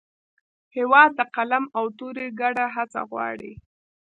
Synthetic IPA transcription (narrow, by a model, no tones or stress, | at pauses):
hɪwɑd̪̚t̪aqalamawt̪oɾeɡaɽaɦat͡sa̰ɣwɑ̰ɽḭ